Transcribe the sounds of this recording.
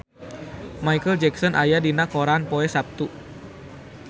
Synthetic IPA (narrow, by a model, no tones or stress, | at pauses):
majkəld͡ʒɛksɔnʔajadinakoɾanpoɛsap̚t̪u